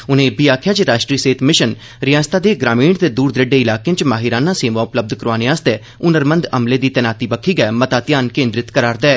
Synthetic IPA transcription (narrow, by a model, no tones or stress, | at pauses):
ʊnẽːbiːaːkʰjaːd͡ʒeɾaːʃʈɾiːseːt̪ʰmɪʃən | ɾɪjãːst̪aːd̪eːɡɾaːmiːɳt̪eːd̪uːɾd̪ɾɪɖeːɪlaːkẽt͡ʃmaːɦɪɾaːnãːseːmãːʊpləb̚d̪kəɾaːneaːst̪eː | ʊnəɾmə̃nd̪əmleːd̪iːt̪ɛːnaːt̪iːbəkʰːiːɡɛːmət̪aːt̪ɪjaːnkẽːnd̪ɾɪt̪kəɾaːɾd̪ɛɛː